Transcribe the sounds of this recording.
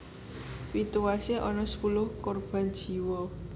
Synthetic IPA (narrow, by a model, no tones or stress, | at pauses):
wit̪uwaseʔɔnɔsə̥pulʊhkorb̥a̤nd̥ʒ̥i̤wɔ